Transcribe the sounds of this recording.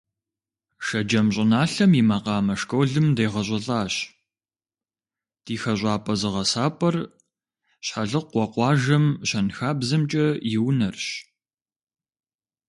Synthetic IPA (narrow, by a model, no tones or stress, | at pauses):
ʂɐd͡ʒɐmɕʼɪnaːɬɐmjimɐqɑːmɐʂkowɮɨmdejʁɐɕʷʼɐɬʼaːɕ | d̥iːxɐɕʷʼɑːpʼɐzɨʁɐsaːpʼɐr | ɕħaɮɨqʷɔqʷɑːʒɐmɕɐnxaːbzɨmt͡ʃʼɐjɪwnɐrɕ